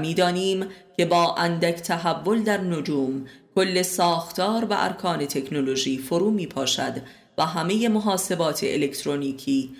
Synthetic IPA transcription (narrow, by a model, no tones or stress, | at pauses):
miːd̪ɒːniːmcʰe̞bɒːʔænd̪æcʰt̪ʰæɦævːo̞ld̪æɾnod͡ʒuːmkʰo̞lːe̞sɒːxt̪ʰɒːɾvæ̰ʔæ̰ɾkʰɒːne̞t̪ʰe̞kʰnolo̞ʒiːfoɾuːmiːpʰɒːʃæ̰d̪ | væɦæme̞je̞mo̞ɦɒːse̞bɒːt̪ʰḛʔele̞kt̪ʰɾoniːcʰiː